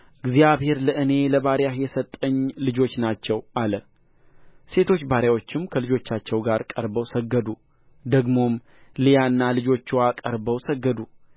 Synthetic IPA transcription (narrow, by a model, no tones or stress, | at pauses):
ʔɨɡzijaβhe̞ɾləɨne̞ləβaɾjahjɛsət̪ʼːəɲːlɨd͡ʒo̞t͡ʃːnat͡ʃːɛwʔalə | se̞t̪ʰo̞t͡ʃːbaɾjawo̞t͡ʃːɪmkʰəlɨd͡ʒo̞t͡ʃːat͡ʃːɛwɡaɾkʼəɾbəwsəɡːəd̪u | d̪əɡmo̞m | lijaɨnːalɨd͡ʒo̞t͡ʃːwakʼəɾbəwsəɡːəd̪u